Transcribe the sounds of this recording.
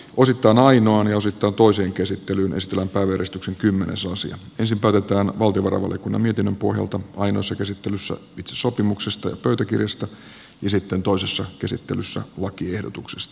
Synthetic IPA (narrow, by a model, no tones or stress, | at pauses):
ʔo̞sit̪ːɑːnɑinoɑnjɑo̞sit̪ːɑːnt̪oiseːŋkesit̪ːelyːnʔesit̪elːæmpæːʋæjæresit̪ykseŋkymːenʔesɑsḭɑ̰ | ensimpæˑːt̪et̪æːnʋɑlt̪ioʋɑɾɑ̰ʋɑ̰ljɑ̰kunːɑ̰mie̞t̪inːømpo̞hjɑ̰lt̪ɑɑino̞̰ːˑsːɑkesit̪ːelysːæ̰it̪seso̞pimuksest̪ɑjɑ̰pøyt̪ækḭrjɑst̪ɑ | jɑsit̪ːent̪o̞isesːɑkesḭt̪ːelysːæ̰lɑkiehdot̪uksest̪ɑ̥